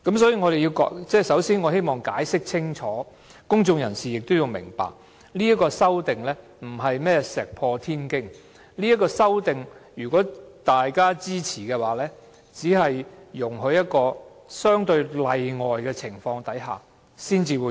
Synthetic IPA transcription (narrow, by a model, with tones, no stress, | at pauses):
kɐ˨˥msɔː˨˥jiː˨˩ŋɔː˨˧ɾe˨ji˧wkɔ̰ː˨˥kt͡sɛː˥˩sɐ˨˥wsiː˥nŋɔː˨˧he˥jmɔː˨˩ŋkaː˨˥jsɪ˥k̚t͡sʰɪ˥ŋt͡ʃʰɔː˨˥ | kʊ˥ŋt͡sʊ˧ŋjɐ˨˩nsiː˨˩jɪ˨k̚t̪o˥wjʊ˨˧ŋmɪ̰˨˩ŋpa̰ː˨k̚ | liː˥ɐ˥t̚kɔː˧sɐ˥wt̪ɪ˨ŋlɛː˥ | m̩˨˩ɦɐ˨jmɛː˥sɛː˨k̚pʰɔː˧t̪ʰiː˥nkɪ˥ŋ | li˥ɐ˥tkɔː˧sɐ˥wt̪ɪ˨ŋjyː˨˩kɔː˨˥t̪aː˨jkaː˥t͡siː˥t͡sʰiː˨˩kɛː˧waː˨˥lɛː˥ | t͡siː˨˥hɐ˨jːʊ˨˩ŋɦɵ˧˥ɥjɐ˥t̚kɔː˧ | sœː˥ŋt̪ɵ˧ɥlɐ˧jŋɔː˨jkɛː˧t͡sʰɪ˨˩ŋfɔː˧ŋt̪ɐ˨˥jɦa̰ː˨ | siː˥nt͡siː˨˧wuː˨˧